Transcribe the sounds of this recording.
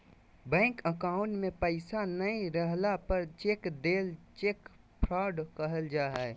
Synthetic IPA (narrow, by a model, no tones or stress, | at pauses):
bɛ̃ːŋkəkaːʊ̃ʈmẽpəɪsanəeɾəɦlapəɾt͡ʃeːkd̪eːlt͡ʃeːk | pʰɾaːɖkəɦəld͡ʒaːɦɛ